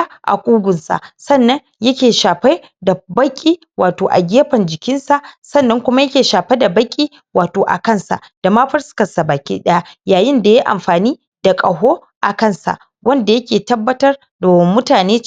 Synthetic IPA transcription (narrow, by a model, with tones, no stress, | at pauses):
ʔa̰˨kʷʼuː˦ɡʷʊ˨nsa̰˨ʔsɐ˦˨nːɐ˦ɲ | jɐ˦kʲeː˨ʃaː˨ɸe˦ | da˨bɐ˦kʲʼːiː˦ | waː˨toː˨ʔa̰˨ɡʲeː˦ɸɐ˨nd͡ʒɪ˨kʲɪ˦nsa˨ʔsɐ˦nːɐ˦ŋkʷʊ˦ma˦jɐ˦kʲeː˨ʃaː˨ɸe˦da˨bɐ˦kʲʼiː˦ | waː˨toː˨ʔa̰˨kɐ˦nsa̰˨ʔd̥a˨ma˦ɸɐ˦rsɪ̥˦kɐ˨nsa˨baː˨kʲḭ˦ɗɐ˦ja˦jaː˨jɪ˦nda˨ja˦ʔa̰˨mɸaː˨niː˦ | d̥a˨kʼɐ˨ɦoː˦ | ʔa˨kɐ˦˨nsa̰˨ʔ | wʔɐ˦nda˨jɐ˦kʲeː˨tɐ˦bːɐ˦tɐ˦r | doː˨mʊ˦taː˨neː˦